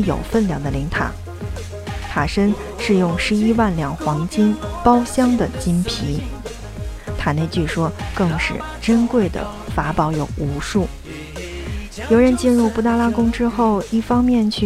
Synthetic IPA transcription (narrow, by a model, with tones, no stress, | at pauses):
jo̰˨˩ʊfə˥˩nljɑ˥˩ŋd̪ə˦li˧˥ŋt̪ʰa̰˨˩˥ | t̪ʰa˨˩ʂə˥n | ʂɻ̩˥˧jʊ˥˩ŋʂɻ̩˧˥i˥wa˥˩nljɑ˨˩ŋxwɑ˧˥ŋt͡ɕi˥npɑ˥ʊɕjɑ˥ŋd̪ə˨t͡ɕi˥npʰi˧˥ | t̪ʰa˨˩ne˥˧ɪt͡ɕy˥˩ʂwɔ˥kɤ˥˧ŋʂɻ̩˥˩ | ʈ͡ʂə˥nkwe˥˩ɪd̪ə̰˩ | fa˧˥pɑ˧˥ʊjo˨˩ʊu˧˥ʂu˥˩ | jo˧˥ʊɻə˧˥nt͡ɕi˥˧nɻu˥˧pu˥˩t̪a˥˧˩la˥kʊ˥ŋʈ͡ʂɻ̩˥xo˥˧ʊi˥˩fɑ˥ŋmjɛ˥˧nt͡ɕʰy˥˩